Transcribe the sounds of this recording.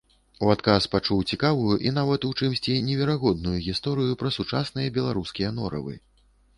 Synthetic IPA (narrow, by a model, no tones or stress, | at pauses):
uat̪kaspat͡ʂuwt͡sʲikavujuʔin̪avɐt̪ut͡ʂɨmsʲt͡sʲinʲɛvʲɛɾaɣɔd̪̚nujuɣʲist̪ɔɾɨjupɾɐsut͡ʂasnɨjɐbʲɛlˠaɾuskʲijɐnɔ̰ɾɐ̰vɨ̰